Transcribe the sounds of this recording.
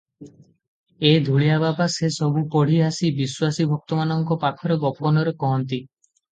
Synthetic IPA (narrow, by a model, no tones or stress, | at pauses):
ed̪ʱuɭijababasesɔbupɔɽ̤iasibiswasibʱɔk̚t̪ɔmanɔŋkɔpakʰɔɾeɡɔpɔnɔɾekɔɦɔnt̪i